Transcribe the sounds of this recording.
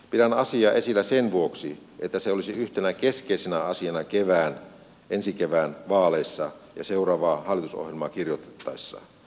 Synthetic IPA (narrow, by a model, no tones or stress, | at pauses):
pitænːɑsiɑːʔesilːæsenʋuoksiʔet̪ːæseolisiyht̪enækeskeisenæɑsiɑnɑkeʋæːn | ʔensikeʋæːnʋɑːlesːɑjɑ̰seurɑːʋɑːhɑlːˑit̪uso̰hjelmɑːkirjot̪e̥t̪ːɑisːɑ̰